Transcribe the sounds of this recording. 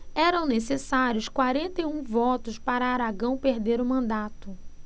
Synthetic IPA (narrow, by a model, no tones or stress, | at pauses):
ɛɾɐ̃w̃nesesaɾjʊskwaɾẽnt̪ejũvɔt̪ʊʃpaɾɐːɾaɡɐ̃w̃peɾd̪eɾʊmɐ̃nd̪at̪ʊ